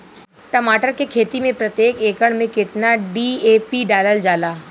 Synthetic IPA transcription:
ʈɐmaːʈəɾkekʰeːt̪imẽpɾɐt̪jeːkeːkəɽ̃mẽkɪt̪naɖiːeːpiɖaːləld͡ʒaːlaː

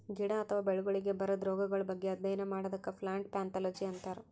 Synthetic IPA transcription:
ɡiɽɐɐt̪ʰɐʋaːbeɭuɡɐɭiɡe̞bɐɾɐd̪ɾɔːɡɐɡɐɭɐbɐɡːeɐd̪ːɐjɐnɐmaːɽɐd̪ɐkːɐpʰlaːɳʈ̚paːnt̪ʰaːlod͡ʒiɐnt̪aːɾe

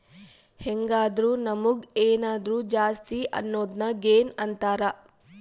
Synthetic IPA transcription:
heŋɡaːd̪ɾuːnɐmuɡeːnaːd̪ɾuːd͡ʒaːst̪iʔɐ̰nːoːd̪nɐɡeːnɐnt̪aːɾɐ

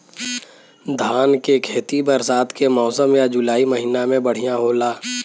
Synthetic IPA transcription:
d̪ʱaːnkekʰeːt̪ibəɾsaːt̪ʰkemɔːsəmjad͡ʒʊlaːiməɦiːnamẽbəɽ̤ijãɦoːlaː

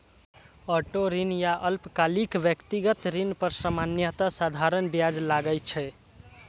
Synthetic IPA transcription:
əʈoɾinjaʔəlpkalikʋjəkt̪iɡət̪ɾinpəɾsəmanjət̪asad̪ʱaɾənbjad͡ʒlaɡəjt͡ʃʰɛ

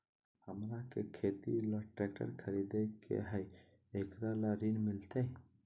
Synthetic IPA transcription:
həmɾakekʰet̪ḭlɔʈɾɛk̚ʈə̰ɾkʰəɾid̪ekʰḛɦəj | ekɾalaɾinmilt̪ə

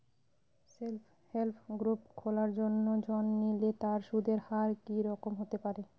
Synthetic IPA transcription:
selpʰ | helpʰɡɾupkʰolaɾd͡ʑonːod͡ʑʱɔnːilet̪aɾʃud̪ʱeɾhaɾkiɾɔkomɦot̪epaɾe

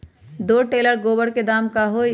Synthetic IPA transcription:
d̪oʈeːləɾɡoːbəɽked̪aːmkaɦo

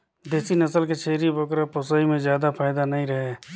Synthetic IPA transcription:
d̪eːsinɐsəlket͡ʃʰeːɾibəkɾaposaːimẽzjaːd̪apʰaːɪd̪anɐɦĩɾɐɦeː

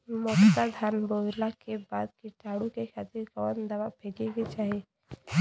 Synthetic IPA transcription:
mɔt̪ad̪ʱanbolakebaːd̪̚kiʈaɽukekʰat̪iɾkəʋənd̪ɐʋapʰeɡeɡet͡ʃaːɦe

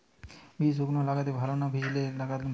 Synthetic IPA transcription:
bisoɡnolaɡat̪ebʱalonabʱid͡ʒilelaɡat̪

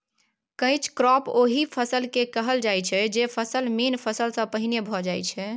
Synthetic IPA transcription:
kə̃ɪ̃t͡ʃʰkɾɔpoɦipʰəsəlkekəɦəld͡ʒajt͡ʃʰɛd͡ʒepʰəsəlmenpʰəsəlsə̃pəɦinebʱɔd͡ʒajt͡ʃʰɛ

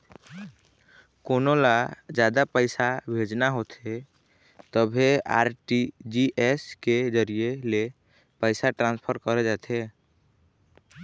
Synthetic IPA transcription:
konolad͡ʒjad̪apəɪsabʱed͡ʒnaɦot̪ʰe | t̪əbʱea̰ɾʈid͡ʒiʔesked͡ʒəɾijele | pəɪsaʈɾãnspʰəɾkəɾɛd͡ʒat̪ʰe

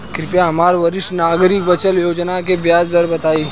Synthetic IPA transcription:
kɾɪpjaɦɐmaːɾʋɐɾɪʃʈnaːɡɾɪkbət͡ʃəljoːd͡ʒnakebjaːd͡ʒd̪ɐɾbɐt̪aːiː

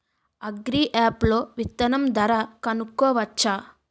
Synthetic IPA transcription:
ɐɡɾiːʔaːplo̞ːʋit̪ːɐnɐmd̪ɐɾɐkɐnukːɔːʋɐt͡ʃːaː

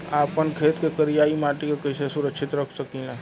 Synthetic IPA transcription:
aːpənkʰeːt̪kekəɾijaːimaːʈikekəɪsesʊɾəkʃʰɪt̪ɾəkʰsəkiã

